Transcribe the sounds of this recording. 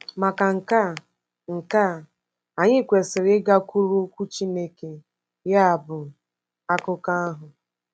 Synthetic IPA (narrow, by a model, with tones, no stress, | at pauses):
ma˨ka˨ŋ̩˨ka˦˨ | ŋ̩˨ka˦˨ | a˨ɲɪ˦˨kʷe˨sɪ˨ɾɪ˦ɡa˦ku˦ɾu˦kʷu˦t͡ʃi˦ne˦ke˨ | ja˦a˨bʊ˨ | a˦kʊ˦ka˦a˦ɦʊ˨